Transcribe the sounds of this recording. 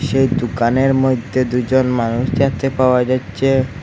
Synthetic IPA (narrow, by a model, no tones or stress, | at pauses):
ʃejd̪ukaneɾmojd̪ʱːed̪ud͡ʑonmanuʃd͡ʒat̪ʰepaoad͡ʑatːɕʰe